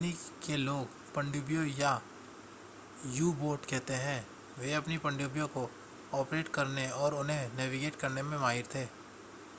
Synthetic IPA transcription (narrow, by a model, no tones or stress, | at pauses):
nikeloːɡ | pɐ̃ɳɖubijõja | juːboːɾʈkɛɦt̪eɦɛ̃ː | ʋeɐpnipɐ̃ɳɖjubijõko | ɔːpɾeːʈkɐɾneɔːɾʊnɦẽnɛːʋiɡeːʈkɐɾnemẽmaːɦɪɾt̪ʰeː